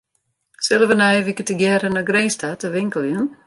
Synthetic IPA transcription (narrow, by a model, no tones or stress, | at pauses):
sɪləʋənɛjʋikətəɡjɛɾənaɡreːstʰatəʋɪŋkəlˠjən